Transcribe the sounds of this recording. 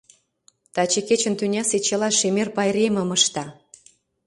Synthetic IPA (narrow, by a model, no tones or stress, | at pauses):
t̪ɑt͡ɕeket͡ɕə̆nt̪ynʲɑset͡ɕelɑʃemerpɑjɾemə̆məʃt̪ɑ